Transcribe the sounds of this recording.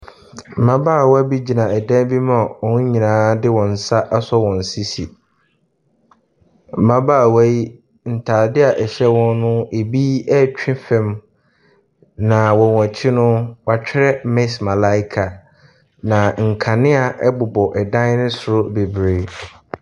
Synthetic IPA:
m̩˨mã˦baː˦˨wɔ˦a˦bi˦d͡ʑi˨nã˨ɛ˨dã˦bi˦m˦a˨wɔ̃˨ñ˦ɲĩ˨nãː˨˦dɪ˦wɔ̃˨n˨sa˦ʔa˦sɔ˦wɔ̃˨n̩˨si˦si˨ | m̩˨mã˦baː˦˨wa˦ji˦ | n̩˨tʰaː˨dɪ˦a˨ʔɛ˨ɕɛ˦wɔ̃˦nnʊ̃˦e˨bi˦ɛ˦t͡ɕᶣɪ̃˦fɛ̃˦m | nã˨wɔ̃˨wã˨t͡ɕʰi˦nʊ̃˦wa˨t͡ɕᶣʰɪ˦ɾɛ˦mɛ̃˦smã˨la˦ɪ˦kʰa˨ | nã˨ŋ̩˨kʰa˨nɪ̃˦a˨ʔɛ˦bʊ˨bɔ˨ʔɛ˨dã˦nɪ̃˦sʊ˨ɾʊ˦be˨bɾe˨˦

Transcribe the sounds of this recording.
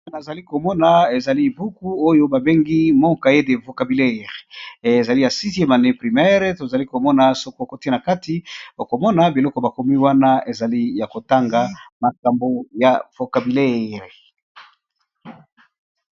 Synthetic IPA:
n˨za˨li˦ko˨mɔ˦na˨e˨za˨li˦˨bu˦ku˦o˦jo˦ba˨be˦ŋɡi˦mɔ˦ka˨je˦de˨vo˨ka˨bi˨le˦ʁːza˨li˦ja˨si˦te˦ma˨nɛ˦pʁi˨mɛ˦ʁto˨za˨li˦ko˨mɔ˦na˨so˦ko˦o˨ko˦ti˦na˨ka˦ti˦o˨ko˨mɔ˦na˨bi˨lɔ˦kɔ˨ba˨ko˨mi˦wa˦na˦e˨za˨li˦ja˨ko˨ta˦ŋɡa˨ma˨ka˨mbo˦ja˨v̥o˨ka˨bi˨le˦ʁ

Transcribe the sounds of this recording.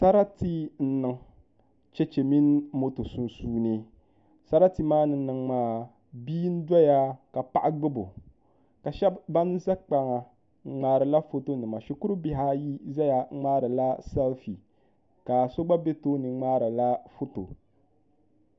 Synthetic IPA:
sa˦ɾa˦ti˦n̩˦nɨ˨ŋ | t͡ʃɛ˦t͡ʃe˨mi˦n˦mo˦to˨su˨n˨suː˦nɨ˦ | sa˦ɾa˦ti˨maː˦nɨ˨˦nɨ˨ŋmaː˦ | biː˦n̩˦da˦ja˦ka˨pa˨ʔa˦ɡ͡bɨ˦bo˨ | ka˨ʃɛ˦bːa˦n˦za˦k͡pa˨ŋa˨ | ŋ͡m̩˨ŋ͡maː˦ɾɨ˨la˦fo˦to˦nɨ˨ma˨ʃi˨kʊ˦ɾɨ˦bɪ˦ɦa˦ji˦za˦ja˨˦ŋ͡maː˦ɾɨ˨la˦sa˦lfi˨ | ka˨so˦ɡ͡ba˦be˦toː˦nɨ˨ŋ͡maː˦ɾɨ˨la˦fo˦to˨

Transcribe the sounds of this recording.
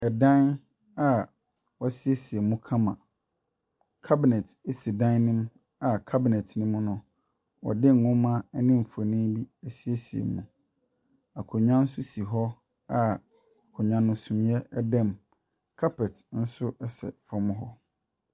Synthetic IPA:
ɛ˨dã˦n | a˨ | wɔ˦˨˦sɪ˦e˦si˨e˨mũ˦kʰã˦mã̰˨ | kʰa˦bɪ˨nɛ˨te˦si˨dã˦nɪ̃˦m | a˨kʰa˦bɪ˨nɛ˨tʰnɪ̃˦mũ˦nʊ̃˨ | wɔ̰˨dɪ˦ŋ̩˨ŋʊ̃˦mã˦ɛ˦nɪ̃˦m̩˨fo˨nĩ˦bi˦ɛ˨si˦e˦si˨ḛ˨mṵ̃˨ | a˨kʰʊ˨ɲã˦n̩˦sʊ˦si˨ɦɔ˦ | a˨ | kʰʊ˨ɲã˨nʊ̃˦sũ˨m̃˦ɛ˦ɛ˦dã˦˨m | kʰa˦pɛ˨tn̩˦sʊ˦ɛ˦sɛ̰˨fɔ̃˦m̃˦ɦɔ˦

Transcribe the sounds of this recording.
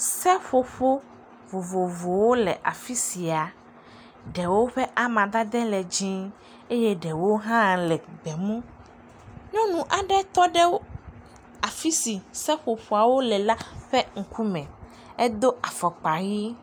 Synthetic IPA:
sɛ˦ɸo˨ɸo˦ | vo˨vo˨vo˨wo˦lɛ˨ʔa˨fi˦si˨a˨ | ɖɛ˨wo˦ɸɛ˦ʔa˨mã˨d̪a˦d̪ɛ˦lɛ˨d͡ʒĩ˦ | e˦je˦ɖɛ˨wo˦ɦã˦lɛ˨ɡ͡bɛ˨mũ˦ | ɲɔ̃˦nũ˨ʔa˨ɖɛ˦t̪ɔ˦ɖɛ˦wo˦ | a˨fi˦si˨sɛ˦ɸo˨ɸo˨a˨wo˦lɛ˨la˦ɸɛ˦ŋ̩˨ku˦mɛ̃˨ | ɛ˦d̪o˦ʔa˨fɔ˨k͡pa˨ɣi˦

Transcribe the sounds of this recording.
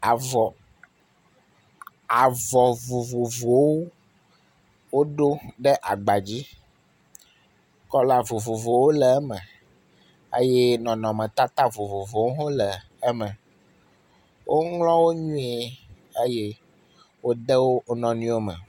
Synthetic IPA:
a˨vɔ˨ | a˨vɔ˨vo˨vo˨vo˨wo˦ | wo˦ɖo˦ɖɛ˦ʔa˨ɡ͡ba˨d͡ʑi˦ | kɔ˦la˦vo˨vo˨vo˨wo˦lɛ˨ɛ˦mɛ̃˨ | ḛ˦jɛ˦nɔ̃˨nɔ̃˨mɛ̃˨t̪a˦t̪a˦vo˨vo˨vo˨wo˦ɦõ˦lɛ˨ | ɛ˦mɛ̃˨ | wʔo˦ŋlɔ̃˦wo˦ɲũ˦e˦ | e˦je˦ | wo˦d̪ɛ˦wo˦nɔ̃˨nĩ˦wo˦mɛ̰̃˨

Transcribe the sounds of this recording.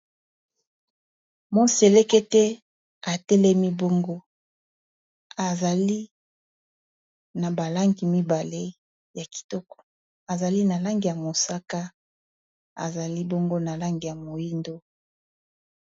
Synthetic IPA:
mo˦nse˨le˦ke˦tɛ˦ | a˨tɛ˦lɛ˦mi˦bo˦ŋɡo˦ | a˨za˨li˦ | na˨ba˨la˦ŋɡi˨mi˦ba˨le˦ | ja˨ki̥˨tɔ˦kɔ̥˨ | a˨za˨li˦na˨la˦ŋɡi˨ja˨mo˨sa˦ka˦ | a̰˨za˨li˦bo˦ŋɡo˦na˨la˦ŋɡi˨ja˨mo˨ji˦ndo˦

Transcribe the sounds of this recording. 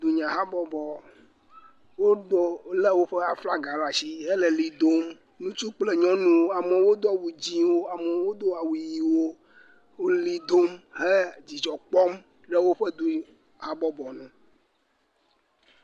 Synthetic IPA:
d̪u˨ɲã˨ɦa˦bɔ˦bɔ˨ | wo˦d̪o˦le˦wo˦ɸe˦a˨fla˦ɡa˨lɔ˦a˨si˦ɦe˦le˨li˨d̪o˦m | nũ˦t͡ʃu˦k͡ple˦ɲɔ̃˦nũ˦wo˦a˨me˨wo˦d̪ɔ˦˨wu˨d͡ʑi˦wo˦a˨me˨wo˦d̪o˦a˨wui˨ji˨wo˦ | wo˦li˦d̪o˦mɦɛ˦d͡ʑi˨d͡ʒɔ˨k͡pɔ˦m | ɖɛ˦wo˦ɸɛ˦d̪u˦ | ha˦bɔ˦bɔ˨nũ˨

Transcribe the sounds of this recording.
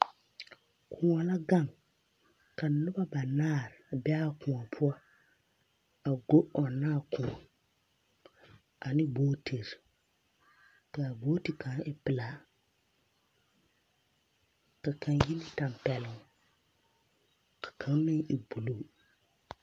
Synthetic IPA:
kʰʊ̃˨a˨la˦ɡa˦˨ŋ | ka˨nʊ˦ba˦ba˨naː˦˨ɾbɛ˦a˦kʰʊ̃˨ɔ˨pʰʊ˦ɔ˦ | a˨ɡo˦ʔɔ˨nːaː˦˨kʊ̃˨ɔ˨ | a˨nɪ˦boː˦tʰe˨ɾ | kaː˨ɡ͡boː˦ti˨kʰã˨˦ɪ˦pɪ˨la˨˦ | ka˨kã˨ŋji˦nɪ˦ta˨mpɛ˨lʊ̃˨˦ | kʰḁ˨kʰã˨˦ŋ˦mɪ˦ŋɪ˨bu˨lu˦˨

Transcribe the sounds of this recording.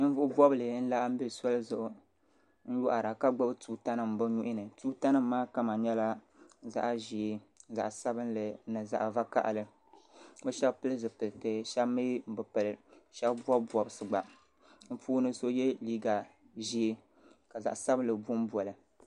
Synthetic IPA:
vʊ˦ʔʊ˦bɔ˦bɨ˨lɨ˨n̩˦la˦ʔm̩˦bi˦˨sɔ˦lɨ˦zʊ˨ʔʊ˦ | n̩˦jo˦ʔa˨ɾa˨ka˦ɡ͡ba˦bɨ˦tuː˦ta˦nɨ˦m̩˨bɨ˦ɲu˦ʔɪ˦nɨ˨tu˦ta˦nɨ˦m̩ː˦aː˦ka˦ma˨ɲɛ˦la˦ | za̰˦ʔʒi˨e˨za̰˨ʔsa˦bɨ˦nlɨ˨˦nɨ˨za̰˨ʔva˦ka̰˦ʔa̰˨lɨ˨˦ | bɨ˦ʃɛ˦bpɨ˦lɨ˦zɨ˨pɨ˨ltɨ˨ʃɛ˦bmɨ˦m̩˨bɨ˨pɨ˨lɨ˨ʃɛ˦bbɔ˦bbɔ˨bɨ˨sɨ˨ɡ͡ba˨ | m̩˦puː˦nɨ˦so˦jɛ˦liː˦ɡa˨ | ʒi˦e˦ | ka˨za̰˨ʔsa˦bɨ˦nlɨ˨bu˦m˦bwɔ˨lɨ˨

